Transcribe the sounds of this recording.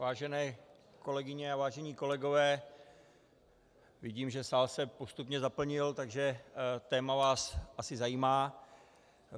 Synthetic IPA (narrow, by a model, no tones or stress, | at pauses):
vaːʒɛnɛː | ko̞lɛɡɪɲɛavaːʒɛɲiːko̞lɛɡo̞vɛː | vɪɟiːmʒɛsaːlsɛpo̞st̪upɲɛzapl̩ɲɪlt̪aɡʒɛt̪ɛːmavaːsʔasɪzajiːmaː